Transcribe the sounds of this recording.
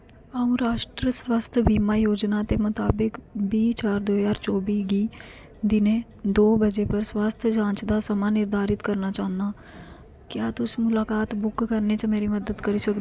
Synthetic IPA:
əũɾaːʃʈɾəswaːst̪ʰəbʱiːmajoːd͡ʒnat̪emʊt̪aːbɪkbiːt͡ʃaːɾd̪oːɦzaːɾt͡ʃɔːbiːɡiː | d̪ɪnẽ | d̪oːbəd͡ʒepəɾswaːst̪ʰəd͡ʒãːt͡ʃd̪asəmanɪɾd̪ʱaːɾɪt̪kəɾnat͡ʃaːnaː | kjaːt̪ʊsmʊlaːkaːt̪bʊkːəɾnet͡ʃəmeːɾiməd̪əd̪kəɾisɐkd̪

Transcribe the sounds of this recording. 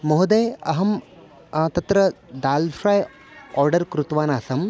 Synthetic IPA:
moɦud̪ɐjɐɦɐm | t̪ɐt̪ɾɐd̪aːlʃɾaːj | ɔːɾɖɐɾkɾut̪ʋaːnaːsɐm

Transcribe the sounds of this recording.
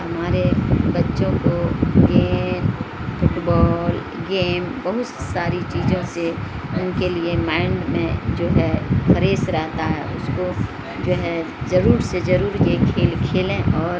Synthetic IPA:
ɦɐmaːɾebɐtːʃõkoɡeːn | fʊʈbɔːl | ɡeːmbɐɦʊt̪saːɾit͡ʃiːzõse | ʊnkeliemãɪɳɖmḛ̃d͡ʒoːɦɛfʰɐɾeːsɾɛɦt̪aɦɛ̰ʊsko | d͡ʒoːɦɛ | zɐɾuːɾsezɐɾuːɾjekʰeːlkʰeːlẽʔɔːɾ

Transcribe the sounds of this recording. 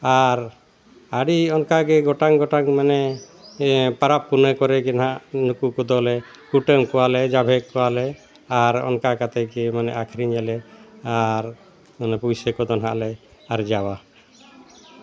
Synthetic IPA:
aɾ | aɽiɔnkaɡɛɡɔʈaŋɡɔʈaŋmanɛ | paɾapːunekɔɾɛkɛnɦaʔnukukɔd̪ɔlɛ | kuʈəmkɔalɛd͡ʒabʱɛkːɔwalɛ | aɾɔ̰nkakat̪ɛkɛmanɛʔakʰɾiɲɛlɛaɾ | manɛpujsekɔd̪ɔnɦa̰ʔlɛaɾd͡ʒawa

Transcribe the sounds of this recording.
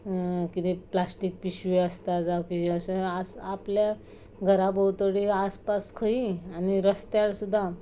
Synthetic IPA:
kit̪eplasʈik̚piɕueəst̪ad͡zakid͡ʑĩəsəasaplja | ɡʱəɾabəwt̪əɽiaspaskʰəianiɾəst̪jaɾsud̪ʱːa

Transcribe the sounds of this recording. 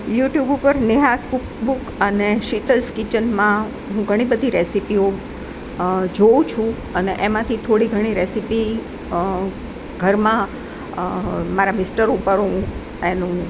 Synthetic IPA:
juʈjubupəɾniɦaskukbukəneʃit̪əlskit͡ʃənmã | ɦũɡʱəɽ̃ibəd̪ʱiɾɛsipio | d͡ʒoũt͡ʃʰũ | əneʔemãt̪ʰit̪ʰoɽiɡʱəɽ̃iɾesipi | ɡʱəɾmã | maɾamɪsʈəɾupəɾɦũ | enũ

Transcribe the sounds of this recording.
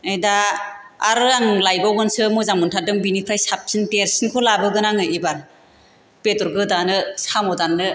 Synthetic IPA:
ejdaː | ɾɯaŋlajbawɡɯnsɯmɔzamuntʰadɯŋbinikʰɾajsap̚sʰinteɾsinkʰolabɯɡɯnaŋɯibaɾ | petɔɾɡɯdanɯsamɔdanːɯ

